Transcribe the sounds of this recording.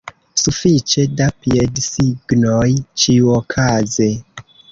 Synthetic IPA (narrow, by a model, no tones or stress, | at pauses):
sufit͡ʃe̞dapiedsiɡnojt͡ʃiuokʰaze